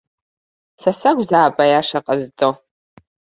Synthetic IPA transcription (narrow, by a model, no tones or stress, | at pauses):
sɐsaɡʷzaːbʼɐjaʂɐqʼɐzt͡sʼo